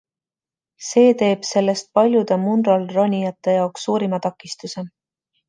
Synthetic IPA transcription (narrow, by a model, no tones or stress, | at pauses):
se̞ːt̪e̞ːb̥se̞lːe̞st̪̚pɑlʲjud̪̥emunrɑlronʲijɑt̪ːˑe̞jɑoksːuːɾimɑt̪ɑkːˑist̪use̞